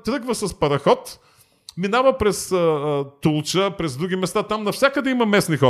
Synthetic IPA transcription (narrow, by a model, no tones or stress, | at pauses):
t̪ɾɤɡvəsɐspɐɾɐxɔt̪ | minavəpɾɛsət̪ulˠt͡ʃəpɾɛzd̪ɾuɡʲimɛst̪at̪amnɐfsʲakəd̪ɛimɐmɛsnixɔ